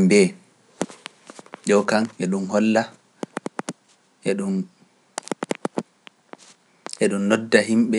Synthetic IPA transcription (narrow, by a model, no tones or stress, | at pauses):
mbɛ | d͡ʒɔwkanɛɗumhɔlːa | ʔɛɗun | ʔɛɗumːɔdːahimɓɛ